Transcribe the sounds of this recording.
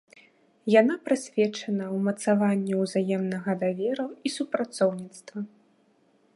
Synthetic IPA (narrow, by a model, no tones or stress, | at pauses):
janapɾɨsʲvʲɛt͡ʂɐnɐwmɐt̪savanʲːɛwzajɛmnɐɣɐd̪avʲɛɾɐwisupɾat̪sɔwnʲit̪st̪vɐ